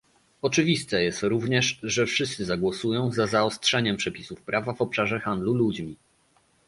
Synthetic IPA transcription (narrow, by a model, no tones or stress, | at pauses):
ɔt͡ʂɘvʲist̪ɛjɛst̪ɾuvɲɛʂʐɛfʂɘst̪sɘzaɡwɔsujɔ̃w̃zazaɔstʂɛɲɛmpʂɛpʲisufpɾʔavavɔpʂaʐɛxand̪lulud͡ʑmʲi